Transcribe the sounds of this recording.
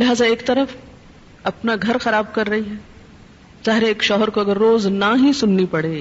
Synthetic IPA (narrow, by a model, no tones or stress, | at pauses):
lɪɦaːzaeːkt̪ɐɾəf | ɐpnaɡʱɐɾxɐɾaːb̚kɐɾːɐɦiɦɛː | zaːɦɪɾeeːkʃɔːɦəɾkoɐɡəɾːoːznaɦisʊnːipɐɽeː